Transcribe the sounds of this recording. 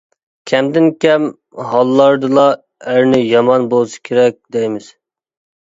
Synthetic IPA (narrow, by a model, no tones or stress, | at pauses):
kʲʰɛmd̪ɪnkʲʰɛm | ɦɑlˠːɑɾd̪ɨlˠɑ | æɾnɪjɑmɑnbolˠsi̥kʲʰeɾɛk̚ʲd̪ɛjmɪz̥